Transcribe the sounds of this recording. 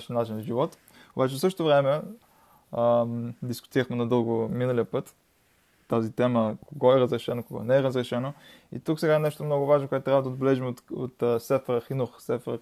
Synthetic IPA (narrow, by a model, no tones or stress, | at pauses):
ʃɛnat͡ʃinzʒivɔt̪ | obat͡ʃɛsɤʃt̪ot̪ovɾɛmɛ | d̪iskʊ̥t̪iɾəxmɛnɐd̪ɤlˠɡominəliəpɤt̪ː | azit̪ɛməkoɡɔɛɾəzɾɛʃɛnokoɡɔ̰nɛːɾəzɾɛʃɛno | ḭt̪uksɛɡaɛnɛʃt̪ot̪omnɔɡʊvaʒnokʊɛt̪t̪ɾʲavəd̪od̪bɛlɛʒimot̪o̰t̪ːsɛfɛɾəxinoxsɛfɛɾə